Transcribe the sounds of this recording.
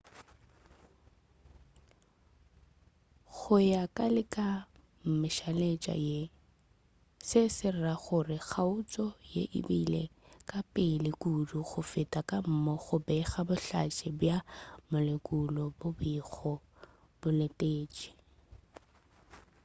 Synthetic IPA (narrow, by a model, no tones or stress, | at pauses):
ɣʊjakʼalɪkʼa | m̩mɪʃalet͡ʃʼa̰je | sɪsɪraɣʊrɪɣʰaʊt͡sʼɔjḛʔɪ̰bilḛkʼapʼɪlɪkʼuduɣʊfɪtʼakʼam̩mɔɣʊbɛɣabʊɬat͡ʃʼɪbjamʊlɪkʼulɔbʊbiɣɔ | b̥ʊletʼeːt͡ʃʼi̥